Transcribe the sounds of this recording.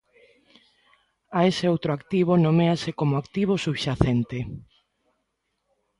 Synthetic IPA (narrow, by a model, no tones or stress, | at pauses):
aeseowt̪ɾoakt̪iβonomeasekomoakt̪iβ̞osuβʃaθent̪e